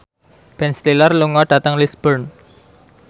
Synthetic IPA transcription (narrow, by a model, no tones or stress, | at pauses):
b̥ɛnslilərluŋɔɖ̥a̤t̪əŋlisb̥ərn